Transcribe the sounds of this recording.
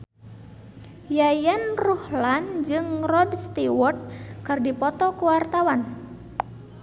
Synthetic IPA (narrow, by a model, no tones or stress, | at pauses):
jajanrɔhland͡ʒɨŋrɔdst̪iwɔrt̪̚kɨrdipɔt̪ɔkuwart̪awan